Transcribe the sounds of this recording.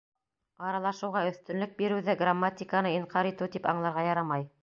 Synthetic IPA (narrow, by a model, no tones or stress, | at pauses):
ɑɾɑlˠɑʃɤ̆wʁɑɵ̆θt̪ɵ̆nlɵk̚biɾɘ̆wðæɡramːat̪ʲikanɤiɴqɑɾit̪ɘwt̪ipɑɴlˠɑɾʁɑjɑɾɑmɑj